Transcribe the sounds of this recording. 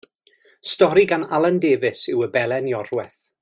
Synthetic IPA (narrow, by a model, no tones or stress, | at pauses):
stɔɾiɡanalˠəndeːvɪsɪwəbɛlˠɛnjɔrwɛθ